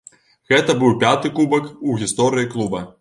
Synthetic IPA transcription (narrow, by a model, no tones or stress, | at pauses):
ɣɛt̪ɐbɨwpʲat̪ɨkubɐkuɣʲist̪ɔɾɨjiklˠubɐ